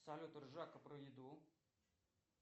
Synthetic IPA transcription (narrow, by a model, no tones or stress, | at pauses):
sɐlʲot̪ərʐakəpɾəjɪd̪u